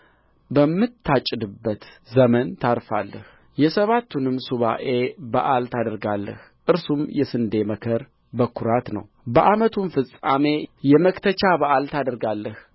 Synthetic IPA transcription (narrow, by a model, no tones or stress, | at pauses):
bəmːɨt̪ʰːat͡ʃʼːɪd̪ɨbːət̪ | zəmənt̪ʰaɾfa̰lːəh | jɛsəβat̪ʰːunɨmsuβa̰ʔe̞ba̰ʔalt̪ʰad̪əɾɡalːə̰h | ʔɨɾsumjɛsɨnd̪e̞məkʰəɾ | bəkʰːuɾat̪nə̰w | bəʔamət̪ʰunfɨsʼame̞jɛməkt̪ʰət͡ʃabaʔalt̪ʰad̪əɾɡalːəh